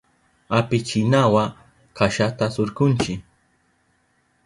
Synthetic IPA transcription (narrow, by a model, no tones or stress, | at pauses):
apɪt͡ʃɪnawa | kaʃat̪asoɾkʊnt͡ʃɪk